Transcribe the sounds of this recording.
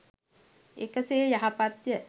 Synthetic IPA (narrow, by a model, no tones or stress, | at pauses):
ekəseːjaɦapat̪jə